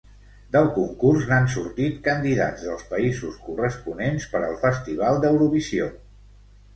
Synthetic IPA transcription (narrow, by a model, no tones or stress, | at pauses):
d̪əlˠkuŋkursnansuɾt̪it̪kənd̪iða̰d͡zðəlˠspəizuskurəspunenspəɾəlˠfəst̪iβ̞alˠd̪əwɾuβisio